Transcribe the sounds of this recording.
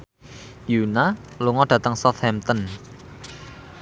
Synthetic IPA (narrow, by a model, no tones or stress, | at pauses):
junaluŋɔɖ̥ä̤t̪əŋsɔt̪hɛmt̪ɔn